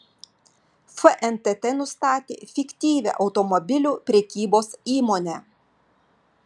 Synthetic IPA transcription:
fəʔɛnt̪ɛt̪ɛnʊst̪ɑːt̪ʲḛːfʲɪkʲt̪ʲiːʋʲɛ̰ʔɒʊt̪ɔmɔbʲɪlʲuːpʲɾʲɛkʲiːboːsiːmoːnʲɛ

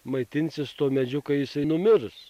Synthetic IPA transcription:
mɐɪt̪ʲɪnʲsʲɪst̪oːmʲɛd͡ʒʲʊkɐjɪsɐɪnʊmʲɪɾs

